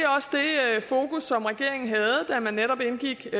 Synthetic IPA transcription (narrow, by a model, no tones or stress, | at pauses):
ɒ̽sd̥e̝fo̝ːkusːɒ̽mʁɛɡ̥e̝ɐ̰e̝ŋn̩ɦɛð̞̩ˠd̥æmænːeɾ̥ɒ̽b̥e̝nɡ̥iɡ̥